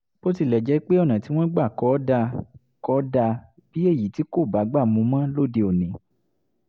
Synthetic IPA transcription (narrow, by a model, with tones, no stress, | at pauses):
bo˦ti˧˨lɛ˨d͡ʒɛ˨˦k͡pe˦ɔ˦˨nã˨ti˨˦w̃ɔ̃˦ɡ͡ba˦˨kɔ˨˦da˧ | kɔ˨˦da˧ | b̥i˨˦e˦˨ji˨ti˨˦ko˦˨ba˨˦ɡ͡ba˦˨mũ˨˧˦mã˦lo˦˨de˧o˨nĩ˨˦